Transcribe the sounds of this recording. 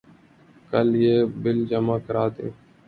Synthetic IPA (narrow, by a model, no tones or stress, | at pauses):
kəljeːbɪld͡ʒəmãːkəɾaːd̪ḛ̃ː